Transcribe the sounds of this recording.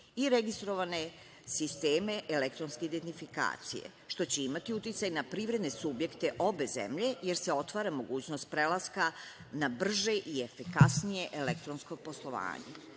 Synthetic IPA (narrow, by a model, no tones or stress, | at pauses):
iɾe̞ɡist̪ɾo̞ʋane̞ | sist̪eːme̞ʔele̞kt̪ɾonskeid̪ent̪ifika̰ːt̪sḭje̞̰ | ʃt̪o̞t͡ɕeimat̪iut̪it̪sajnapɾiːʋɾe̞d̪ne̞subje̞kt̪eʔo̞be̞zḛmʎe̞jeɾseo̞t̪ʋaːɾamo̞ɡuːt͡ɕno̞st̪̚pɾe̞laska | nabr̩ʒe̞ʔiefikasnije̞ʔelek̚t̪ɾo̞nsko̞po̞slˠo̞ʋa̰ːɲḛ